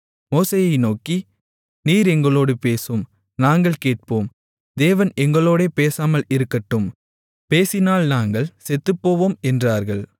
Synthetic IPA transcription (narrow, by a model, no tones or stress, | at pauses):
moːsejɐɪnoːki | niːɾɛŋɡɐɭoːɽɯpeːsɯm | naːŋɡɐɭkeːʈ̚poːm | d̪eːʋɐnɛŋɡɐɭoːɽeːpeːsaːmɐlɪɾɯkːɐʈːɯm | peːsɪnaːlnaːŋɡɐɭsɛt̪ːɯpːoːʋoːmɛndraːɾɣɐɭ